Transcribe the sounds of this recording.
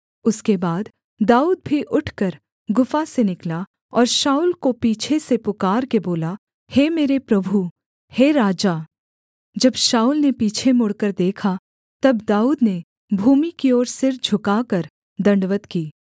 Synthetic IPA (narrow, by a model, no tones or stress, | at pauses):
ʊskebaːd̪ | d̪aːuːd̪̚bʱiʔʊʈʰkɐɾ | ɡʊfasenɪkla | ɔːɾʃaːuːlkopiːt͡ʃʰesepʊkaːɾkeboːla | heːmeːɾepɾɐbʱu | heːɾaːd͡ʒaː | d͡ʒɐbʃaːuːlnepiːt͡ʃʰemʊɽkəɾd̪eːkʰa | t̪ɐbd̪aːuːd̪ne | bʱuːmikiɔːɾsɪɾd͡ʒʱʊkakɐɾ | d̪ɐ̃ɳɖʋət̪kiː